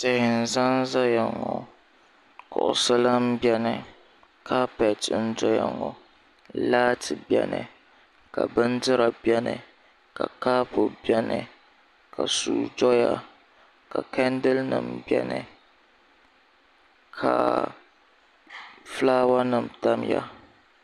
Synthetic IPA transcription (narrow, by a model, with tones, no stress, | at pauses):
tɪ˨hɪ˨n̩˨za˦n˦za˦ja˨ŋɔ˨ | kʊ˨ʔʊ˨sɨ˦la˦m̩˦bɛ˦nɨ˨ | kʰa˦pɛ˨tn̩˦d͡ʒɔ˦ja˨ŋɔ˨ | laː˦tʰɨ˨bjɛ̰˦nɨ̰˨ | ka˨bɨ˦ndɨ˦ɾa˨bɛ˦nɨ˨ | ka˨kaː˦po˨bjɛ˦nɨ˨ | ka˨suː˨d͡ʒɔ˦ja˦ | ka˨kɛ˦ndɨ˦lnɨ˨m̩bɛ˦nɨ˨ | kʰa˨ | flaː˦wa˦nɨ˨m̩˨ta˦mja̰˦